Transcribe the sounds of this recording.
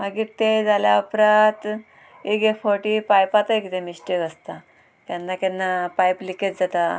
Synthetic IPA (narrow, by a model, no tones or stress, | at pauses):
maɡiːɾt̪ed͡zaljaəpɾat̪ | eɡefɔɾʈipajpat̪əkit̪emisʈikəst̪a | k̪janːakanːapajpliket̪d͡zat̪a